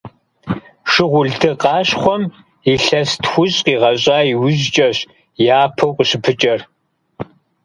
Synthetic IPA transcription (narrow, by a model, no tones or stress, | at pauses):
ʂɨʁʷʊɮdʰɨqɑːɕχʷɔm | iɬɐstxʷʊɕʼqiːʁɐɕʼaːiwʊʑt͡ʃʼɐɕ | jaːpʰɐwqʷʼəɕɪpʰɨt͡ʃʼɐr